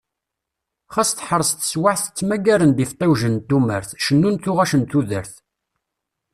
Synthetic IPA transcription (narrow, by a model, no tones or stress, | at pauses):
χæst̪ħəɾˤst̪ə̥swaʕθə̥t͡sːmæɡæɾənd̪ift̪ˤːæwʒənt̪ːumə̰ɾθʃənːunθʊʁæʃənt̪uðəɾθ